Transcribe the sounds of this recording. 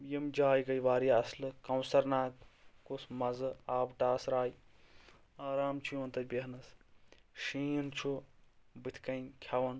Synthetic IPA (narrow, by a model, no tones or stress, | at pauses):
jimd͡ʒaːjɡɐjʋaːɾiɐslɨkɐwsɐɾnaːkkusmɐzɨaːbʈaːsɾaːj | aːɾaːmt͡ʃʰujuɐnt̪ɐt͡ʃʲbeɦɐnɐs | ʃiːnt͡ʃʰubɨt̪ʰʲkɐjnkʲʰɐʋɐn